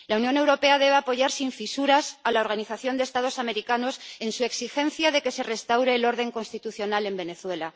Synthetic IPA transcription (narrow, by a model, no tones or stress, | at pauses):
launjo̞ne̞wɾo̞pe̞að̞e̞βe̞apo̞ʝaɾsiɱfisuɾasalao̞ɾɣ̞aniθaθjo̞nd̪est̪að̞o̞same̞ɾikano̞se̞nsue̞ksixẽ̞n̟θjaðe̞ke̞se̞re̞st̪awɾe̞ːlo̞ɾð̞e̞ŋko̞nst̪it̪uθjo̞nale̞mbe̞ne̞θwe̞la